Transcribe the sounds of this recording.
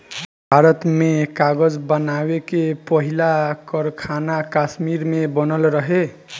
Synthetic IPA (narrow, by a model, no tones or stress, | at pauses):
bʱaɾʌt̪mekaɡʌd͡zbʌnawekepʌɦilakʌɾkʰanakasmiɾmebʌnʌlɾʌɦe